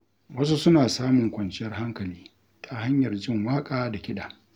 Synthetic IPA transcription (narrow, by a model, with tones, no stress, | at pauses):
wɐ˦s̬u˦sʊ˦naː˨saː˦mʊ˨ŋkʷɐ˨nt͡ʃɪ˦jɐ˦rɦa˦ŋkɐ˨liː˦ | tʰa˨ɦa˦ɲjɐ˨rd͡ʒɪ˦˨ŋwaː˦kʼaː˦da˨kʲɪ˦ɗaː˨